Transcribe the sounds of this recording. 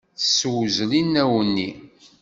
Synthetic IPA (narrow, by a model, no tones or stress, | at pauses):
θəsːwzlinæwənːi